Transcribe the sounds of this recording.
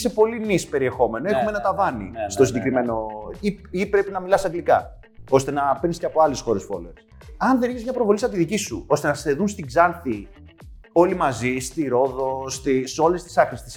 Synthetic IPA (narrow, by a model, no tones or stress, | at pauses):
se̞po̞linispe̞ɾie̞xo̞me̞noexumenɐt̪ɐvɐnḭst̪osiɟekɾime̞no̞iipɾe̞pinɐmilɐsɐŋɡlikɐ̰ | o̞st̪e̞nɐpenisceɐpo̞ɐlesxo̞ɾe̞sfo̞̰lḛɾs | ɐnðe̞niçezmɲɐpɾo̞vo̞lisɐt̪iðicisṵo̞st̪e̞nɐsseðunst̪iɡzɐnθi | o̞limɐzist̪iɾo̞ðo̞st̪iso̞le̞st̪i̥sɐknist̪i̥s